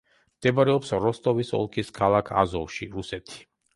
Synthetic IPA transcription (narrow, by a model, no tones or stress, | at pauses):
md̪̥ɛbaɾɛɔpsɾɔst̪ʼɔvisɔ̰lˠkʰiskʰalˠakʰa̰zɔlˠʃiɾusɛt̪ʰi̥